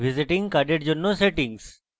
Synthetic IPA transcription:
ʋiziʈĩŋɡkaɖeɖd͡ʒonːoseʈĩŋɡs

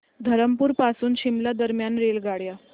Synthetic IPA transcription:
d̪ʱəɾəmpuːɾpasuːnɕimlad̪əɾmjanɾelɡaɽja

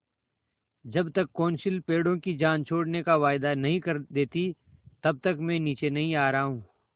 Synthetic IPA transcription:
d͡ʒɐbt̪ɐkːoːnʃɪlpeːɽõkid͡ʒaːnt͡ʃʰoːɽnekaʋaːɪd̪anɐɦĩkɐɾd̪eːt̪i | t̪ɐb̚t̪ɐkmɛ̃ːniːt͡ʃenɐɦĩaːɾɐɦɦũː

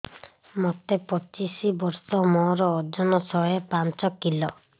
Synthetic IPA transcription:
mɔt̪epɔt͡ʃisibɔɾsɔmɔɾɔːd͡ʒɔnɔsɔepant͡ʃɔkilɔ

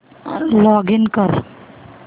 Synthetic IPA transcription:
lɔɡinkəɾ

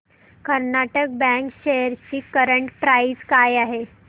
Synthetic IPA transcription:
kəɾnaʈək̚bɛ̃ŋkɕejəɾt͡ɕiːkəɾəɳʈpɾaizkajaɦe

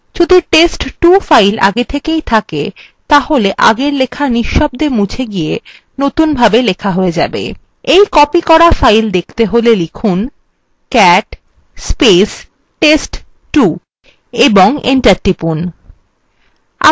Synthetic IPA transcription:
d͡ʑud̪ʱuʈesʈʈufajlʔa̰ɡet̪ʰekejt̪ʰake | t̪aɦoleʔa̰ɡeɾlekʰaniʃːɔb̚d̪eɾmut͡ɕʰeɡije | not̪unbʱabelekʰaɦoed͡ʑabḛ | ejkɔpikɔɾafajld̪ekʰt̪eɦolelikʰun | kɛʈ | spesː | esʈ | ʈu | eboŋḛɳʈaɾʈɾipun | a̰

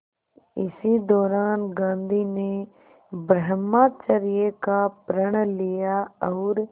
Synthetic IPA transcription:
ɪsiːd̪ɔːɾaːnɡãːnd̪iːneː | bɾəɦmaːt͡ʃəɾɪjeːkaːpɾəɳlɪjaːɔːɾ

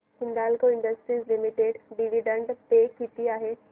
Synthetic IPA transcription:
hɪ̃nd̪aːlkoɪ̃ɳɖəsʈɾiːzlɪmɪʈeːɖɖiʋiɖə̃ɳɖpekiːt̪iaːɦeː

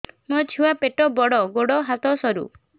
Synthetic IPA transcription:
mɔt͡ʃʰuapeʈɔbɔɽɔɡoɽɔɦat̪ɔsɔɾṵ

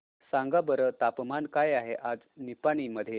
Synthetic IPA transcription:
sãŋɡabəɾət̪apmankajaɦeʔad͡znipañiməd̪ʱːje

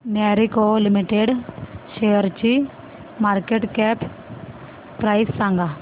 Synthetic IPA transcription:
nɛːɾikolɪmiʈeɖʃeːəɾt͡ʃi | maːɾkeːʈkɛːp | pɾaːɪsːãŋɡa

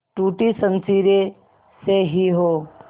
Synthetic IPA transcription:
ʈuːʈisə̃nsiɾe | seɦiɦoː

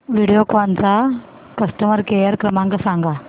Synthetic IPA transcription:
ʋiːɽijoːkaːnt͡saː | kɐsʈɐmɐɾkeːjɐɾkɾɐmaːŋɡɐsaːŋɡa

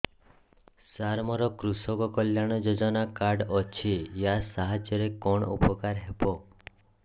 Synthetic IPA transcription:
saɾmɔɾɔkɾusɔkɔkɔljaɽ̃ɔd͡ʒod͡ʒɔnakaɾɖɔt͡ʃʰijasaɦad͡ʒjɔɾekɔɳ̃ṵpɔkaɾɦebɔ

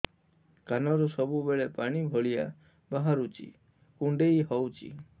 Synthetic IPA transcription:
kanɔɾusɔbubeɭepaɽ̃ibʱɔɭija̰ | baɦaɾut͡ʃʰḭ | kuɳɖejɦɔwt͡ʃʰḭ

